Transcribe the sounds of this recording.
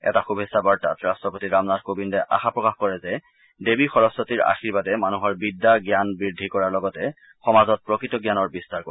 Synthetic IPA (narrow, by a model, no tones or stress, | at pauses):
ɛ̰taxubʱesabaɹta̰tɹastɹɔpotiɹamnadkobindɛʔa̰xapɹɔkaxkɔɹɛzɛ | debixɔɹɔsɔtiɹa̰xiɹbadɛmanuɦɔɹbidːaɡjanbɹidʱːikɔɹaɹlɔɡɔtɛ | xɔmazɔt̚pɹokɹitɔɡjanɔɹbistaɹkɔ